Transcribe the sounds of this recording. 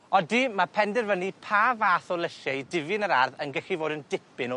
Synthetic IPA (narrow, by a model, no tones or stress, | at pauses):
ɔdimapʰɛndɛrvənipʰaːvaːθɔlˠəʃaidɪvɨnəɾarðənɡɛɬivoːdəndɪpɪnɔ